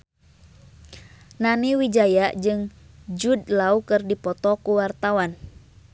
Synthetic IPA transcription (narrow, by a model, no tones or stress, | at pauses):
naniwid͡ʒajaʔd͡ʒɨŋd͡ʒud̚laukɨrdipɔt̪ɔkuwart̪awan